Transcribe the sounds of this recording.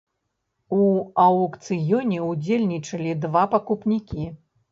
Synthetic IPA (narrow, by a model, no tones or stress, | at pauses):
uɐwkt̪sɨjɔnʲɛud͡zʲelʲnʲit͡ʂɐlʲid̪vapɐkupnʲikʲi